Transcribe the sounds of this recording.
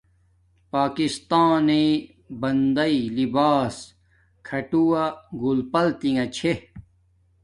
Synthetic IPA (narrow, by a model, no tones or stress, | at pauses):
paːkist̪aːni | bɐnd̪ɐilibaːs | kʰɐʈuwaɡulpɐlt̪iŋɐt͡ɕʰe